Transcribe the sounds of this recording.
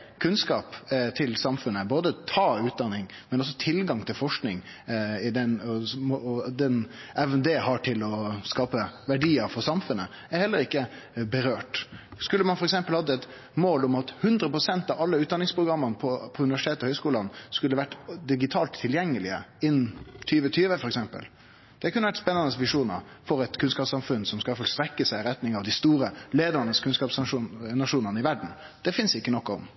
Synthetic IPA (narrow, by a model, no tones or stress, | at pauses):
kʰʉnskɑːpt̪ʰɪlsɑmfʉnːəboːd̪ət̪ʰɑːʉːt̪̚d̪ɑnːɪŋ | mɛnɔs̬ɔt̪ʰɪlɡɑŋt̪ʰɪlfɔʂknɪŋ | ɪd̪ɛnɔ | d̪ɛnɛʋnd̪eːhɑʈʰɪlɔskɑːpəʋæɖiːəɾfɔɾsɑmfʉnːə | æɾhɛlːəɾɪkːə | bəɾøːʈskʉlːəmɑnfɔɾɛksɛmpəlhɑd̪ːəɛt̪ | moːlʊmɑt̪hʉnd̪ɾəpɾʊsɛnt̪ɑʋɑlːəʉːt̪̚ɑnɪŋspʰɾʊɡɾɑmːənəpʰɔpʰɔʉnɪʋæʂɪt̪ʰeːt̪ɔhœʏskuːlɑnskʉlːəʋæʈːd̪ɪɡɪt̪ʰɑːlt̪ʰːɪljɛŋːəlɪə̰ɪnt̪ʰyːʋət̪ʰyːʋəfɔɾɛksɛmpə̰l | d̪̥ɛkʰʉnːəʋæʈspɛnːɑnəsʋɪʂuːnə̰ɾ | fɔɾɛt̪kʰʉnskɑːpsɑmfʉnsɔmskɑfɔlst̪ɾɛkːəsæɪɾɛt̪nɪŋɑʋd̪ɪst̪uːɾəleːd̪əɾnəskʰʉnskɑːpsɑʂuːnnɑʂuːnənəɪʋæɖɳ̩ | d̪̥ɛfɪnsd̪ɛɪkːənɔkːɔ̰m